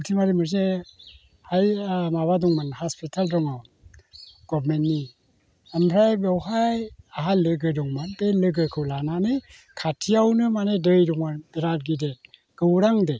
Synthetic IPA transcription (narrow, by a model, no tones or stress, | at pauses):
tʰimaɾimɯɾs̬e | hajmaβadɔŋmanhaspʰitʰaldɔŋaw | ɡ̥ɔbmentni | amɾajbewɦajaɦalɯɡɯdɔŋmanpelɯɡɯkʰɯwlananɯ | kʰatʰijawnɯmanedɯjɾɔŋmanbiɾad̚ɡide | ɡ̥ɯwɾaŋde